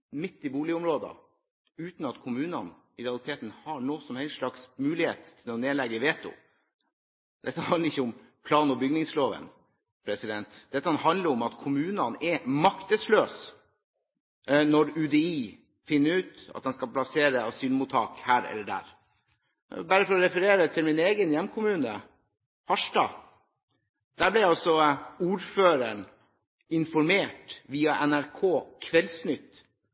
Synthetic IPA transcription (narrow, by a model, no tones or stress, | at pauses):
mɪt̪ːɪbuːlɪʊmɾoːd̪ɑ̰ | ʉːt̪n̩ɑt̪kʰʊmʉːnɑn | ɪɾɛɑlɪt̪ʰeːt̪n̩hɑɳoːsɔmhɛɪlʂlɑksmʉːlɪheːt̪ʰːɪlɔneːlɛɡəʋeːt̪ʰʊ̰ | d̪̥ɛt̪ːəɑnəɾɪçːəʊm | pʰlɑːnɔbʏɡnɪŋsloːʋə̰n | pʰɾɛsɪd̪ɛnt̪d̪̥ɛt̪ːəkɑnɦɑnd̪ləɾɔmɑt̪kʰʊmʉːnɑnɛmɑkt̪əsløːs | nɔɾʉd̪eiː | fɪnːəɾʉːt̪ɑ̰t̪̚d̪ɛnskɑplɑseːɾəɑsyːnmuːt̪ʰːɑːkhæːɾɛ̰lːəɖæ̰ːɾ | bæːɾəfɔɾɔɾɛfəɾeːɾət̪ʰɪlmɪneːɡənjɛmːkʰʊmʉːnə̰ | hɑʂʈɑ | d̪̥æːblɛjæɑsɔuːɾføːɾəɳ | ɪnfɔɾmeːʈʋiːɑʔɛnæɾkʰoːkʰʋɛlsnʏt̪ː